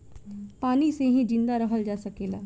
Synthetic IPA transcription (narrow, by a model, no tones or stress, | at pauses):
paːniseːɦĩːd͡ʒɪ̃nd̪aːɾəɦʰəld͡ʒaːsəkeːlaː